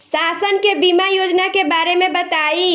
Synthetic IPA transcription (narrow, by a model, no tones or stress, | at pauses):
saːsənkebiːmajoːd͡ʒnakebaːɾemẽbɐt̪aːiː